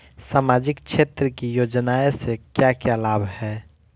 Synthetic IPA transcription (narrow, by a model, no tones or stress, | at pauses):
saːmaːd͡ʒɪkʃʰeːt̪ɾəkijoːd͡ʒnaːesekjakjalaːbʱhɛː